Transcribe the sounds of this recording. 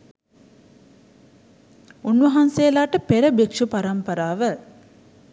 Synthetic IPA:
unʋɐɦanseːlaːʈəpeɾəbekʂupaɾampəɾaːʋə

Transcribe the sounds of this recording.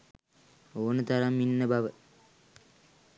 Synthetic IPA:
oːnət̪aɾamːinːəbaʋə

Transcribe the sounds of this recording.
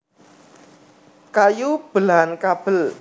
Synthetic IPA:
kajub̥əlankab̥əl

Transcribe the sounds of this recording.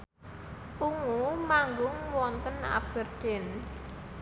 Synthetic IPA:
ʔuŋumaŋɡʊŋwɔnt̪əna̰b̥ə̤rd̪̥ɪn

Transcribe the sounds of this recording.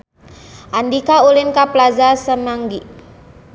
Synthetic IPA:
ʔandikaulinkaplazasəmaŋɡiʔ

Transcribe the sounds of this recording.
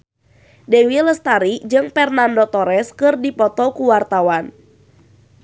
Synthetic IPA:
dɛwiləst̪aɾid͡ʒɨŋfɛrnandot̪ɔɾɛskɨrdipɔt̪ɔkuwart̪awan

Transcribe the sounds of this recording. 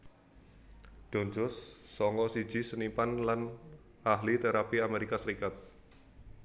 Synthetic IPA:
ɖ̥ɔɲd͡ʒɔsːɔŋɔsi̥d͡ʒ̥i̤sənipanlan | ʔaɦlit̪eɾapiameɾikasəɾikat̪̚

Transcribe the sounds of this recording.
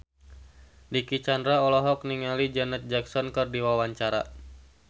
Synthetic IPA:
dikit͡ʃandɾaɔlɔɦɔk̚niŋalid͡ʒɛnɛt̪̚d͡ʒaksɔnkɨrdiwawaɲt͡ʃaɾa

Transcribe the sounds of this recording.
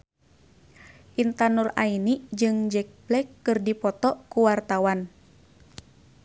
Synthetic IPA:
ʔint̪anura̰inid͡ʒɨŋd͡ʒɛk̚blɛkːɨrdipɔt̪ɔkuwart̪awan

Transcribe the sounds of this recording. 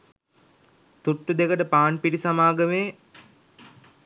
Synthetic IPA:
t̪uʈːud̪ekəʈəpaːnpiʈisamaːɡəmeː

